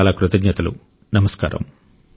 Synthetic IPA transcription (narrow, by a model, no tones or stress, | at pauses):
lakɾut̪ɐɡɲɐt̪ɐlṵ | nɐmɐska̰ːɾɐ̰m